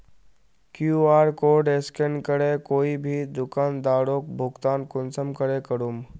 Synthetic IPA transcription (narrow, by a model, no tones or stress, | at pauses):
kjuaːɾkoːɖeskenkəɾekoːibʱid̪ʊkaːnd̪aːɽoːkbʱʊɡt̪aːnkʊnsəmkəɾekəɾum